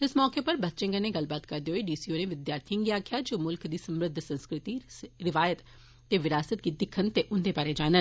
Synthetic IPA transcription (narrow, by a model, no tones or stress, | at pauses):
ɪsmɔːkeːpəɾbət̪t͡ʃɪ̃ŋɡəneːɡɐlbaːt̪kəɾd̪eːɦoeːɖiːsiːoːnẽːʋɪd̪jaːɾt̪ʰiəŋɡiaːkʰjaːd͡ʒoːmʊlkd̪iːsəmɾɪd̪ʱsə̃nskɾɪt̪iːɾɪʋaːjət̪ | t̪eːʋɪɾaːsət̪̚ɡiːd̪ɪkʰːənt̪eːʔʊnd̪eːbaːɾeːd͡ʒaːnən